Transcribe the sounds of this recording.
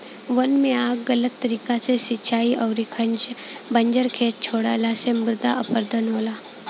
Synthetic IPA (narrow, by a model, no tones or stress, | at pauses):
ʋənmiakɡələt̪t̪əɾikat͡sesit͡ɕʰaiːʔəwɾikʰand͡ʑbəɲd͡ʑəɾkʰet̪̚t͡ɕʰoɽa̰lasemuɾd̪ʱa̰ʔəpəɾd̪ʱənɦola